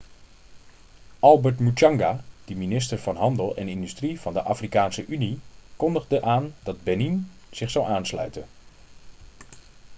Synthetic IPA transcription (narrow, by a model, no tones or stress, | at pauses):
ʔɑlˠbəɹtmut͡ʃɑŋɡad̥əminɪstəɹv̥ɑnɦɑndəlˠɛ̰nɪndystriv̥ɑndəʔaːfrikaːnsəʔynikɔndəχdəʔaːndɑd̚bɛninz̥ɪχsawʔaːnslœ̰ɥtən